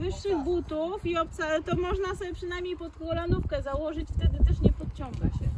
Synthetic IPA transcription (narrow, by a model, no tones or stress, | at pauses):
vɘʂːɘɣbut̪ufiɔp̚t̪sat̪ɔmɔʐnasɔbʲjɛpʂɘnajmʲɲejpɔt̪kɔlanufkɛzawɔʐɘt͡ɕft̪ɛd̪ɘt̪ɛʂɲɛpɔt̪̚t͡ɕɔ̃ŋɡa̰ɕɛ